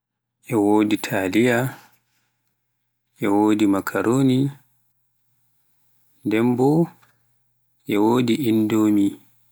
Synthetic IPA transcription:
ʔɛwoːditʰalija | ʔɛwoːdimakʰaɾʔoːni | ndɛmbɔ | ʔɛwoːdiʔindoːmi

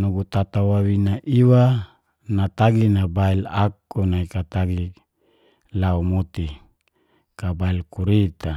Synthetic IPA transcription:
nuɡut̪at̪awawinaʔiwa | nat̪aɡinabailakːunaikat̪aɡi | laumot̪i | kabailkuɾit̪a

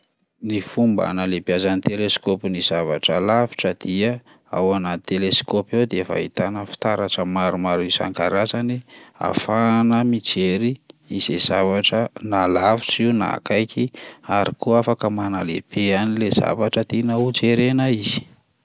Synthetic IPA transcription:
nifumba̰nalebiazanit̪eleskopiniz̥ava̰ʈ͡ʂəlavi̥ʈ͡ʂəd̪̥iə | a̰wanat̪eleskoped̪eefa̰it̪anəfi̥t̪aɾaʈ͡ʂəmaɾumaɾisa̰ŋkaɾazania̰fanəmit͡seɾiizez̥avaʈ͡ʂənalaviʈ͡ʂiwna̰kajkʰiaɾikuafakəmanalḛb̥eanileza̰vaʈ͡ʂət̪inaud͡ʒeɾenaiz̥i̥

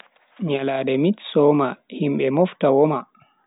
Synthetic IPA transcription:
ɲalaːdɛmitsɔmahimɓɛmɔftawɔma

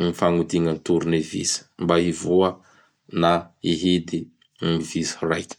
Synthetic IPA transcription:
mifaŋud̪iŋənt̪uɾunevḭsə̥mbaivuə | naiɦid̪i | mivisi̥rajkʲ

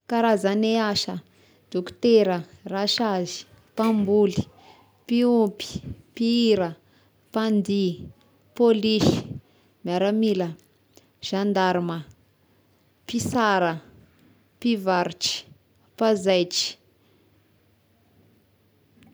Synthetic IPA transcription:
kaɾazaneaʃə | d̪̥okt̪eɾə | raʃazi̥ | pambuli̥ | piumpi̥piiɾə | pand̪i | poliʃi̥ | miaɾamilə | ʒ̥and̪aɾumə | pisaɾə | pivaɾut͡ʃi̥ | pazajt͡ʃi̥

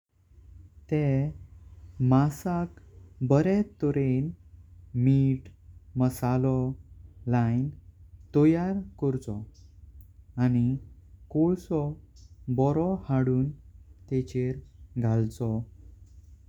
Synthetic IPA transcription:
t̪ɛ | masakbəɾɛt̪ːɔɾen | miːʈməsalɔlajnt̪ɔjaɾkɔɾt͡sɔ | anikoɭsɔbɔɾɔhaɽuːnt̪ɛt͡ɕeɾɡʱalt͡sɔ

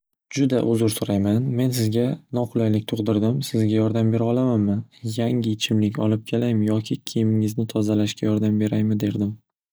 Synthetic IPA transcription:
d͡ʒʊd̪aʔʊzʊɾsʊɾajmanme̞nsɪzɡʲanɒqʰʊlˠajlɪk̚ʲt̪ʰoʁd̪ɪɾd̪ɪmsɪzɡʲajɒɾd̪ambe̞ɾɒlˠamanmɪjaŋɪt͡ʃʰɪmlɪkʲɒ̰lɪp̚kʲʰelajmɪjɒkʲʰɪkʲʰejɪmɪŋɪznɪt̪ʰɒzalaʃkʲajɒɾd̪ambe̞ɾajmɪd̪e̞ɾd̪ɪm

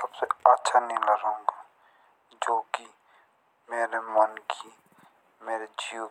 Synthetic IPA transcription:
sɐbseɐtːʃʰanɐɦĩlɐɾõːŋɡa | d͡ʒoːki | meːɾemɐnkʰi | meːɾed͡ʒio

